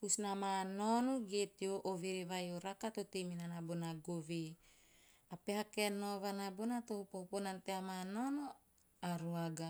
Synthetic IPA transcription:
pusnamanonoɡet̪ioʔoveɾeβajoɾakat̪ot̪eminanabonaɡove | apeɦakenoβanabonat̪ohpohponant̪eamanono | aɾuaɡa

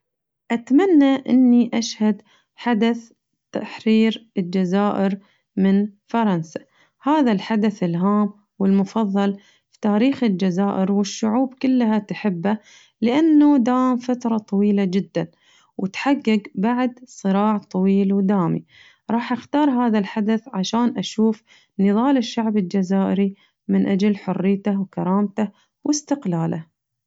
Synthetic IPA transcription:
ʔat̪manːaʔɪnːiʔaʃhad̪ | ħad̪aθ | t̪aħɾiːɾɪld͡ʒazaːʔɪɾ | mɪnfɑɾˤɑnsa | haːðalħad̪aθɪlɦaːm | wɪlmʊfɑðˤːɑl | fi̥t̪aːɾiːxɪld͡ʒazaːʔɪɾwɪʃːʊʕuːbkʊlːɦat̪ħɪbːa | lɪʔanːud̪aːmfat̪ɾˤɑt̪ˤɑwiːlad͡ʒɪd̪ːan | wʔɪt̪ħaɡːɪɡbaʕd̪sˤɨɾɑːʕt̪ˤɑwiːlwd̪aːmḭ | ɾˤɑːħʔaxt̪ɑːɾˤɦaːðalħad̪aθʕaʃaːnʔaʃuːf | nɨðˤɑːlɪʃːaʕbɪld͡ʒazaːʔɪɾi | mɪnʔad͡ʒalħʊrːɪjt̪awkaɾˤɑːmt̪a | wʔɪst̪ɪqlaːla̰

